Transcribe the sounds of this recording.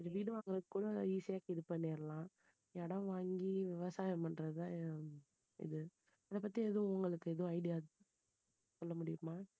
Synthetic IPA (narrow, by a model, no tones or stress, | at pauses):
ɪðɐʋiːɽɯʋaːŋɡɯɾɐðɯkːuːɽɐiːsɐjaːkɪðɯpːɐnːiːɾɐlãː | ɛɽɐ̃ʋaːŋɡiʋɪʋɐsaːjɐmɐndɾɐðɯt̪ãː | ɪ̰ðɯ | ɐðɐpɐt̪ːiɛðɐ̃ʊŋɡɐɭɯkːɯɛðɐʋ̃ɐɪɽɪjaː | sɔlːɐmʊɽɪjɯmaː